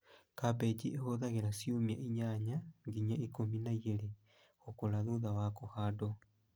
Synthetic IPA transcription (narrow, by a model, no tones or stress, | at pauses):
kapɛd͡ʒiʔehoðaɣeɾasiumjaʔiɲaɲaŋɡiɲaikominaiɣeɾe | ɣokolaðuðawakohado